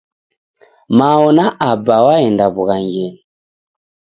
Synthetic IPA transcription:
maɔnaʔabawaɛndaβuɣaŋɡɛn

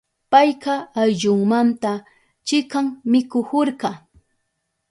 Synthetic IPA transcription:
pajqɑːjʎʊŋmant̪a | t͡ʃɪkaŋmɪkʊhoɾɢɑ

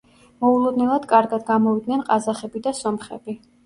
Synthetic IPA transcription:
mɔulˠɔd̪nɛlˠad̪̥kʼaɾɡad̪ɡamɔvid̪nɛnqʼazaχɛbid̪asɔmχɛ̰bi

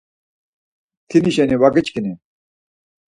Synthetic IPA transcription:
t̪ʰiniɕenewɐɡɐt͡ɕkine

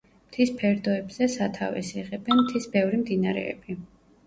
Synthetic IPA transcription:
mt̪ʰispʰɛɾd̪ɔɛbz̥ɛsat̪ʰavɛ̰siʁɛbɛnmt̪ʰisbɛvɾimd̪inaɾɛ̰ɛ̰bi

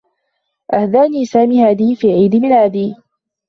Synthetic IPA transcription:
ʔahd̪aːniːsaːmiːhaːd̪iːfiːʕiːd̪ɪmɪlaːd̪iː

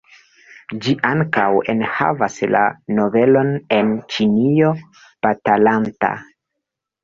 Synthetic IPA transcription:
d͡ʒiʔaŋkawenha̰vasla̰no̞ve̞lo̞ne̞nt͡ʃinio̞ | b̥atalanta̰

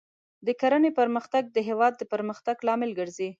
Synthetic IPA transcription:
d̪əkaɾənepəɾməxt̪aɡ̚d̪əɦewɑd̪ːəpəɾməxt̪aɡlɑmɪlɡəɾzi

